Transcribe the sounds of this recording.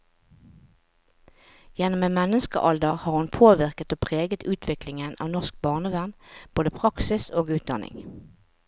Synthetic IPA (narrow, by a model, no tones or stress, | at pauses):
jɛnɔmeːnmɛnəskə̰ʔɑld̪əʁhɑːʁhʉnpʰoːʋɪʁkət̪oːpʰʁeːɡət̪ʉːt̪ʰʋɪklɪŋənʔɑ̰ːʋnɔʁsk̚bɑːʁnəʋæʁnb̥oːd̪əpʰʁɑksɪsoːɡʉːt̪̚d̪ɑ̰nɪ̰ŋ